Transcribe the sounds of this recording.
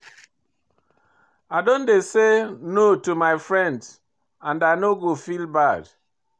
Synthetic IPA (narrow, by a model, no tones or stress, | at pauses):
aɪdõndesenotumaɪfɹɛ̃nd | ãnaɪnoɡofilbad̥